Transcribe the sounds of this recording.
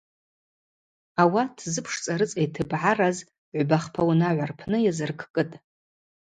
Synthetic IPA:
awatʰzɨpʰʂt͡sʼaɾɨt͡sʼejtʰɨbʕaraz | ʕʷbaχpʰawnaʕʷarpʰnɨjazɨrkʰkʼɨtʼ

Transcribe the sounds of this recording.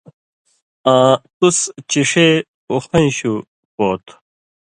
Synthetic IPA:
ãːt̪ust͡ɕiʂe | uxɐj̃ɕu | poːt̪

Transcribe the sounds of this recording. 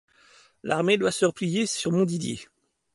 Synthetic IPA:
lʔaʁmed̪wasəʁəplijesyʁmɔ̃d̪id̪jḛ

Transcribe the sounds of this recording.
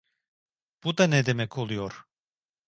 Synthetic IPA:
b̥ud̪anɛd̪emɛkʰo̞lˠujoɾ̥

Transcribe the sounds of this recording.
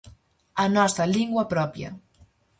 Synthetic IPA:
anɔst̪ɾaliŋɡwapɾɔpjɐ̰

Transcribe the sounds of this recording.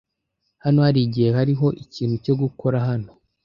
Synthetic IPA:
hanohaɾiɟijehaɾiɦo̞ʔiciːn̥huco̞ɡukʰo̞ɾaɦano̞

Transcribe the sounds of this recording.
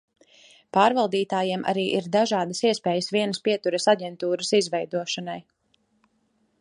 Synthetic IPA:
paːɾvalˠd̪iːt̪aːjimʔa̰ɾiːʔiɾd̪aʒaːd̪ɐsiɛspɛːjəsviɛnəspiɛt̪uɾəsaɟɛnt̪uːɾəsizvɛjd̪uɔʃanaj

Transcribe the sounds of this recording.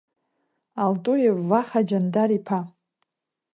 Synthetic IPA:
aldʼujevaχad͡ʒandaɾipʰa

